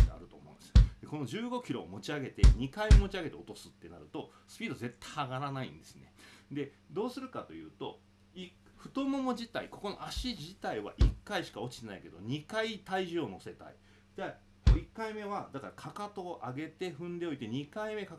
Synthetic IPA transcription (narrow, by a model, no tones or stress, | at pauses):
d̪ea̰ɾɯ̟t̪o̞ːmõ̰ːnd̪esɨ̥d̪e̞ko̞no̞d͡ʑɨːɡo̞kʲiɾo̞̰ːmo̞t͡ɕiaɡe̞t̪e̞ɲ̟ikaiomo̞t͡ɕiaɡe̞t̪e̞o̞t̪o̞sɨ̥t̪ːe̞naɾɯ̟t̪o̞ | sɨ̥pʲiːd̪oze̞t̪ːḁaɡaɾanaḭ̃nd̪e̞sɨne̞d̪e̞ | d̪o̞ːsɨɾɯ̟kat̪o̞jɯ̟̰ːt̪o̞ | i | ɸɯ̟̥t̪o̞mo̞mo̞d͡ʑit̪a̰iko̞ko̞no̞̰ʔaɕid͡ʑit̪aiβa̰ʔikːaiɕi̥kao̞t͡ɕi̥t̪e̞naike̞d̪o̞̰ɲ̟ikait̪aiʑɨːno̞se̞t̪a̰ḭ | d̪a | koikːaime̞βad̪akaɾakʰakat̪o̞ʔaɡe̞t̪e̞ɸɯ̟̃nd̪e̞oit̪e̞ɲ̟ikaime̞kak